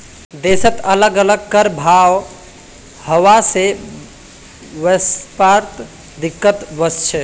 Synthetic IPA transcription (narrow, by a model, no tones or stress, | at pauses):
d̪esət̪ələɡələɡ̚kəɾbʱaw | həwase | ʋəspaɾt̪ | d̪ikːət̪bəst͡ʃʰɛ